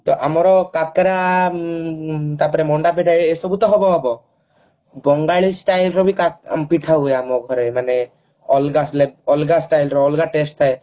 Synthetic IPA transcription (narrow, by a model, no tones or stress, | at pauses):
t̪ɔʔamɔɾɔkakeɾa | t̪aɾpɔɾemɔɳɖap̬iʈʰaesɔbut̪ɔɦɔbɔabɔ | bɔŋɡaɭisʈajlɾɔbʱikakmpiʈʰaɦueamɔɡʱɔɾemane | ɔlɡasleɔlɡasʈajlɾɔɔlɡaʈesʈt̪ʰae